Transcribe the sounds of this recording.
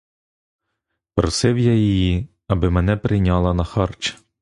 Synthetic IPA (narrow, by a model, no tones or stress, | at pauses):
pɾɔsɪwjajɔji | ɐbɪmɛnɛpɾɪjnʲɑlˠɐnɐxɑrt͡ʃ